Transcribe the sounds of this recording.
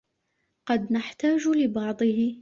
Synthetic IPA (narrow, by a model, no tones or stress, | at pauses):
qɑd̪naħt̪aːd͡ʒlɪbɑʕd̪ˤɨhɪ